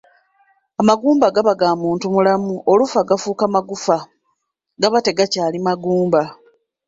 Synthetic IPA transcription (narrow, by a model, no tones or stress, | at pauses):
amaɡuːmbaɡaβaɡaːmuːntumulamuolufaɡafuːkamaɡufa | ɡaβate̞ɡacaːlimaɡuːmba